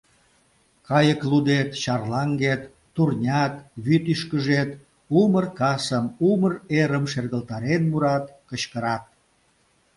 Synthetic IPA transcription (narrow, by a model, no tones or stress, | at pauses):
kɑjəklud̪et̪ɕɑrlɑŋɡet̪ː | urnʲɑt̪βyt̪yʃkəʒet̪ | umərkɑsəmuməreɾəmʃerɣəlt̪ɑɾenmuɾɑt̪kət͡ɕkəɾɑt̪̚